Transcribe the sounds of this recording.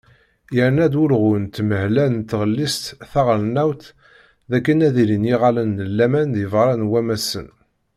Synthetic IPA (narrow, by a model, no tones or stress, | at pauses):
jəɾnæd̪ʊɾʁʊnt̪məhlænt̪ːʁəlːist̪θæʁɾnæwθ | ðækːənæðilinjiʁalənːəlːæmænðjəvʁɾˤɑnwæmæsə̰n